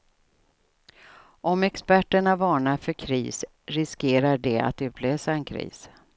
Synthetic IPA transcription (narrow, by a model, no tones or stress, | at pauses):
ʔɔmɛkspæʈːəɳavɑːɳafœɾkʰɾḭːs | ɾɪskeːɾaɖɛa̰t̪ʉ̟ːt̪ʰløːsaɛnkʰɾḭːs